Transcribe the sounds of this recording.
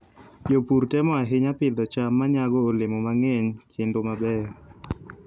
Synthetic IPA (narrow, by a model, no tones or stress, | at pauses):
d͡ʒopuɾtɛmɔaɦɪɲapɪd̪ɔt͡ʃamːaɲaɡɔːlɪmɔmaŋeɲt͡ʃɪndomabɛ